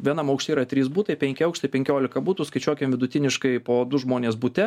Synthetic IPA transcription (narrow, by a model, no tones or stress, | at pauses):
ʋʲiɛnɐmɐʊkʃʲt̪ʲiːɾɐt̪ʲɾʲiːs̬buːt̪ɐɪpʲɛŋʲkʲɪɐʊkʃʲt̪ɐɪpʲɛŋʲkʲoːlʲɪkɐbuːt̪uːskɐɪt͡ʃʲuɔkʲɪmʋʲɪd̪ʊt̪ʲɪnʲɪʃkɐɪpoːd̪ʊʒmoːnʲeːsbut̪ʲɛ